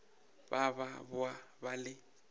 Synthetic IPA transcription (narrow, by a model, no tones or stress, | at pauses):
baβabʊa | balɪ